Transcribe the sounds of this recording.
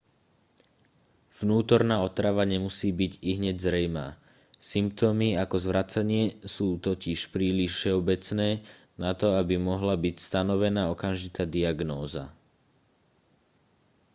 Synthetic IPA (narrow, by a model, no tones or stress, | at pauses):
vnuːt̪ɔɾnaːɔt̪ɾaʋaɲɛmusiːbiɟiɦɲɛɟzɾɛjma̰ː | simp̚t̪ɔmiakɔzʋɾat͡saɲɪɛsuːt̪ɔciʃpɾiːliʃfʃɛɔbɛt͡snɛː | nat̪ɔabimɔɦlabicst̪anɔʋɛnaːɔkamʒit̪aːd̪iaɡnɔːza̰